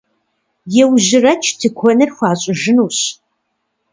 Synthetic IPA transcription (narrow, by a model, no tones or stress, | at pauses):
jɛwʑɪrɐt͡ʃʰtʰɨkʷʰɔnɨrxʷɑːɕʼɪʒɨnuːɕ